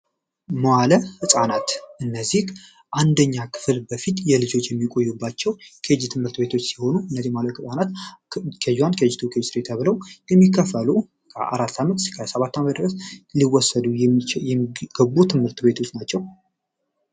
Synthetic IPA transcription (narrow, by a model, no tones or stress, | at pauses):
mwaləhɨsʼanat̪ʔɨnːəzːih | ʔand̪əɲːakʰɨ̥flbəfit̪jɛlɨd͡ʒo̞t͡ʃːjɛmːikʼo̞jːubːat͡ʃːɛwkʰəd͡ʒt̪ʰɨmhɨɾt̪be̞t̪ʰo̞t͡ʃːsiho̞nuɨnːəzihmaləhɨsʼanat̪kʰəjwankʰəd͡ʒɪt̪ʰukʰed͡ʒsɾet̪ʰəβɨləwjɛmːikʰːəfːəlu | kʰə̰ʔa̰ɾat̪ːamət̪kʰəsəβat̪ːamət̪d̪ɨɾəsliwɔsːəd̪ujɛmɡ̥əbut̪ʰɨmhɨɾt̪be̞t̪ʰo̞t͡ʃːnat͡ʃːɛw